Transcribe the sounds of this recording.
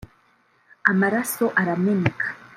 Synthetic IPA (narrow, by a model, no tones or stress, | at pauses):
amaɾaso̞ʔaɾamenekʰḁ